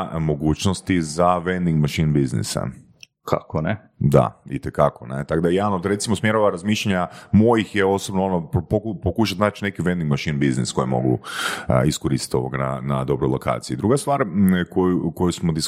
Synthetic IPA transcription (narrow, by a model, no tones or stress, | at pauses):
mo̞ɡuːt͡ɕnost̪izaʋend̪iŋɡmaʃinbiznḭsa̰ | kʰa̰kone | d̪a̰it̪ekakonet̪akd̪ajenoɾe̞t̪simosmjeɾoʋaɾazmiːʃʎaɲamojixjeo̞sobnoonopokupokuʃ̬at̪naːt͡ʃne̞kiʋend̪iŋɡmaʃinbiznḭsko̞jimo̞̰ɡṵ | iskoɾiːsi̥t̪o̞̰oɡana̰nad̪o̞bɾojlo̞kʰa̰ːt̪siiːd̪ɾuɡast̪ʋaːɾkojuko̞jusmod̪is